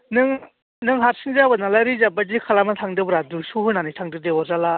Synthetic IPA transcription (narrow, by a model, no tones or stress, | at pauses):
nɯŋ | nɯŋɦaɾsɯŋzabanalajɾizabad͡ʒikʰalamatʰaŋdɯbɾaduɾsuɦɯnanitʰaŋdɯdewazala